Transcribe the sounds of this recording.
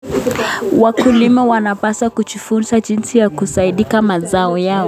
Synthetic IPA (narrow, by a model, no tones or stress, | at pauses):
wakulimɛwanapaswakut͡ʃufunsaʄinsijakusaiɗikamazaɔjaɔ